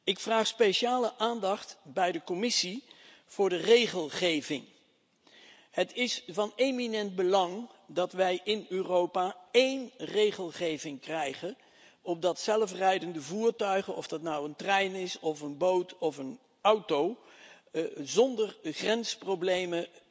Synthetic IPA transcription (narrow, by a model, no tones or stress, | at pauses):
ɪkfraːχspejʃaːləʔaːndɑχtbɛjdəkɔmɪsi | v̥ʊːɹdərejχəlˠχejvɪŋ | hətɪsvɑneminɛnd̚bəlɑŋdɑtʋɛjʔɪnøːrowpaːejnrejχəlˠχejvɪŋkrɛjχə | ɔb̚dɑtsɛlfrɛjdəndəvuːɹtœɥχənɔvdɑtnɑwəntrɛjnɪsɔfənbowtʰɔfən | ʌwtow | zɔndərχrɛnsprowblejmə